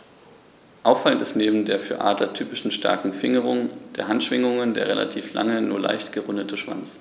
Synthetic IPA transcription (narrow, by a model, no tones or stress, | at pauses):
ʔaʊfaləntɪstneːbm̩deːɐfyːɐʔaːdlɐtʰyːpɪʃn̩ʃta̰ɐkŋ̩fɪŋəʁʊŋd̥eːɐɦantʃv̥ɪŋʊŋəndḛːɐʁ̞elʔa̰tʰiːfla̰ŋənuːɐla̰ɪçtɡ̥əʁʊndətʰəʃv̥a̰nt͡s